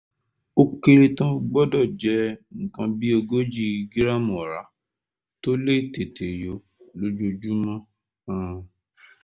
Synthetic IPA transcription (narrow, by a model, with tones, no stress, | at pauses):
o˧ke˧ɾe˧tã˦ɡ͡bɔ˦dɔ˦˨d͡ʒɛ˨˦ŋ̩˨kã˧bi˦o˧ɡo˦d͡ʒi˦ɡi˦ɾa˦mũ˨ɔ˨ɾa˨˦ | to˦le˦˨te˨te˨jo˨˦ | lo˦d͡ʒo˧d͡ʒu˦mã˦ | ã˦